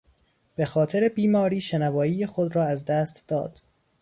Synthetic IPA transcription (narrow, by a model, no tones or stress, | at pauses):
b̥exɒːt̪ʰeɾebiːmɒːɾiːʃenævɒːjiːjexod̪ɾɒːæzd̪æːst̪d̥̪ɒ̰ːd̪̥